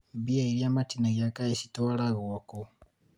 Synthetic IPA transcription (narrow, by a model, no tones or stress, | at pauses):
biaiɾiamatinaɣiakaisitɔaɾaɣuaku